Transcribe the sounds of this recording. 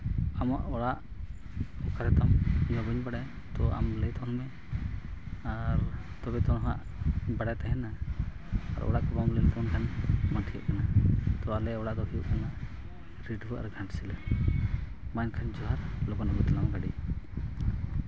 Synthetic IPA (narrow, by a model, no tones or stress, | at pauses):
amaʔɔɽaʔ | kɔkʰaɾɛt̪amɲɔbəɲbaɽaj | t̪ɔa̰mlɛt̪ɔnmɛ | aɾ | t̪ɔbɛt̪ɔnɦa̰ʔ | baɽajt̪aɦɛna | a̰ɾɔ̰ɽaʔkɔbamlɛlt̪ɔɔnkʰanmaʈʰiə̰ʔkanat̪ɔalɛɔɽaʔd̪ɔɦijṵʔkanaʔ | ɾiɖbuʔaɾɡʱãʈsilɛ | majnkʰand͡ʒɔɦaɾlɔbɔnaʔbut̪lamɡaɽḭ